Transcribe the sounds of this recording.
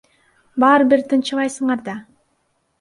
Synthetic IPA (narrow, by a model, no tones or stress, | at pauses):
bɑːɾbiɾt̪ʰɯnt͡ʃɯlˠɑjsɯɴɑɾd̪ɑ